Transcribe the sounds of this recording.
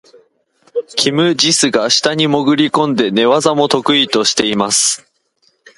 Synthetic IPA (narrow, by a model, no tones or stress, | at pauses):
kʲʰimɯ̟ʑisɨɡaɕi̥t̪aɲ̟imo̞ɡɯ̟ɾʲikõ̞nd̪e̞ne̞βazamo̞t̪o̞kɯ̟it̪o̞ɕi̥t̪e̞imasɨ̥